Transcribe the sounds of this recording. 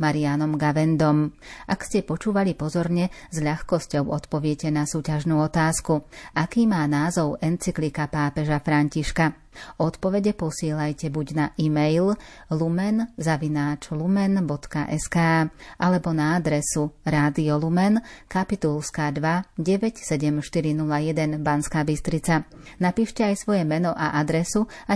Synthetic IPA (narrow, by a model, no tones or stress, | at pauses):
maɾianɔmɡaʋɛnd̪ɔmʔakscɛpɔt͡ʃuːʋalipɔzɔɾɲɛzʎaxkɔscɔʊɔt̪pɔʋɪɛcɛnasuːcaʒnuːɔt̪aːskuʔakiːmaːnaːzɔʊɛnt͡siklikapaːpɛʒafɾaɲciʃka | ɔt̪pɔʋɛɟɛpɔsɪɛːlajcɛbuɟnaʔimɛjl | lumɛnzaʋinaːt͡ʃlumɛnbɔt̪ka̰ʔɛskaːʔalɛbɔnaad̪ɾɛsuɾaːd̪iɔlumɛnkapit̪ulˠskad̪ʋaɟɛʋɛcsɛɟɛmʃt̪iɾinulajɛd̪ɛnbanskaːbist̪ɾit͡sanapiːʃcɛajsʋɔjɛmɛnɔʔaʔad̪ɾɛsua